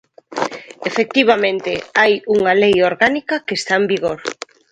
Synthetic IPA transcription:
efek̚t̪iβ̞amẽnt̪eajuŋalejoɾɣanikakeːst̪aembiɣoɾ

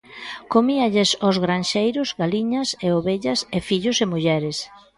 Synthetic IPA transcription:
komiɐʎesozɣɾanʃejɾʊzɣaliɲɐseoβeʎɐsefiʎʊsemuʎɛɾes

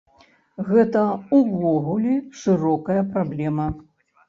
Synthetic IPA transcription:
ɣɛt̪ɐuvɔɣulʲiʂɨɾɔkɐjɐpɾablʲɛmɐ

